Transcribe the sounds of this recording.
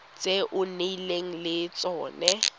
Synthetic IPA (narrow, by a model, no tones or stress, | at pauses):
t͡sʼeʔʊneileŋ̩lɪt͡sʼɔːnɛ